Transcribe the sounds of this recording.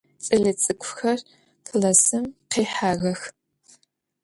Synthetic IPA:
t͡sʼɨɮɨt͡sʼɨkʷʼʰʊxɐr | tʰɮɐsɨmqeːħaːɣɐx

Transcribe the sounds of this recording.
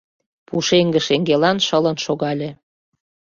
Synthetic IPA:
puʃeŋɡə̆ʃeŋɡelɑnʃələnʃoɣɑlʲe

